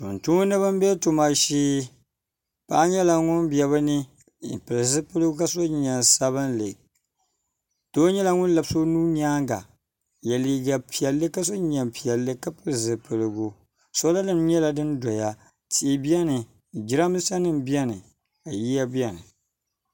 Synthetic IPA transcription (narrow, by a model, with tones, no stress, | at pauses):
to̰˨n̩tu˦nɨ˦βɨ˦m˦bɛ˦tu˨ma˨ʃiː˦ | pa˦ɲɛ˦la˨ŋʊ˦nbjɛ˨βɨ˦nɨ˦˨ | pɨ˨lɨ˨zɨ˦pɨ˦lɨ˦ɡu˦ka˦so˦ɲɛ˨nsa˦βɨ˦nlɨ˨ | to˦ɲɛ˦la˨ŋʊ˦n˦la˨bso˦nuː˦ɲ˦aː˦ŋɡa̰˨ | jɛ˨li˨˦ɡa˨pʰi˨ɛ˨lːɨ˦ka˦so˦ɲɛ˨mpi˨ɛ˨lːɨ˦ka˦pɨ˦lzɨ˨pɨ˨lɨ˨ɡu˨ | so˦la˦lɨ˦m˦ɲɛ˦la˨dɨ˦n˦do˨ja˦ | tiː˨bi˦ɛ˦nɨ˨ | d͡ʒi˦ɾa˦m˦sa˦nɨ˦m˨bi˦ɛ˦nɨ˨ | a˨ji˦a˦bi˦ɛ˨nɨ˨